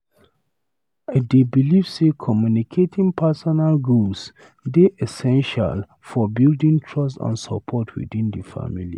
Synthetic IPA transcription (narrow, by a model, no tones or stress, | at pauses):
debilivsekʰɔmjunikʰetʰĩŋpʰasɔnalɡuls | deʔɛsɛ̃nʃa̰l | fɔbildĩŋtʰɹɔs̬tã̰nsɔ̰pʰɔtʰwḭdĩndifa̰milḭ